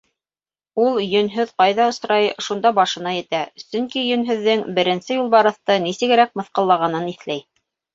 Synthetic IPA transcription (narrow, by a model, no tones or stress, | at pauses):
ulˠjɵ̆nɦɵðqɑjðɑŏsɾɑjʃund̪ɑbɑʃɤ̆nɑjɘ̆t̪æsɵ̆ŋkijɵ̆nɦɵ̆ðːɘŋbɘ̆ɾɘ̆nsɘjulˠbɑɾɤ̆θt̪ɤnisɘ̆ɡɘ̆ɾæk̚mɤ̆θqɤ̆lˠːɑʁɑnɤniθlæj